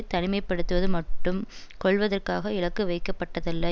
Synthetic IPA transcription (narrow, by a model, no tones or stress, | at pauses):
t̪ɐnɪmɐɪpːɐɽɯt̪ːɯʋɐðɯmɐʈːɯm | kɔɭʋɐðɐrkaːɣɐɪɭɐkːɯʋɐɪkːɐpːɐʈːɐðɐlːɐ